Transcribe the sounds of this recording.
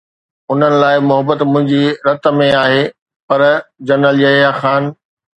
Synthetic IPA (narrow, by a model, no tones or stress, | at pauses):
ʊn̤ənɪ̆laːɪmʊɦəbət̪mʊ̃ɦɪ̃ɲd͡ʑiɾɐt̪̆mẽaːɦeː | pɐɾd͡ʑɐɾnəljɐɦjaxaːn